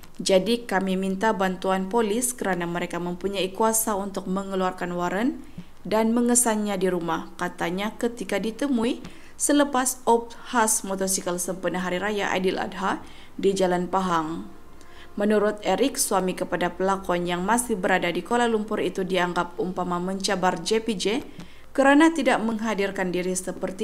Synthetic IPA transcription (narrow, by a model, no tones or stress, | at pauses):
d͡ʒadikamimint̪abant̪uanpoliskəɾanaməɾekaməmpuɲaikuasaunt̪ʊk̚məŋəluarkanwaɾən | danməŋəsanɲadiɾumahkat̪aɲakət̪ikadit̪əmui | sələpasɔp̚hasmot̪ɔsikəlsəmpunaɦaɾiɾajaʔa̰dɪla̰d̚ɦa | did͡ʒalanpaɦaŋ | mənuɾʊt̪̚eɾɪk̚suamikəpadapəlakɔnjaŋmasɪhbəɾadadikolahlumpʊrit̪udiaŋɡap̚umpamaməɲt͡ʃabard͡ʒepid͡ʒe | kəɾanat̪idaʔməŋɦadirkandiɾisəpərt̪i